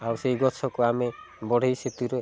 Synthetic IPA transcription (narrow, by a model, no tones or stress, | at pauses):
awsejɡɔt͡ʃʰɔkɔame | bɔɽ̤ʱijset̪uɾe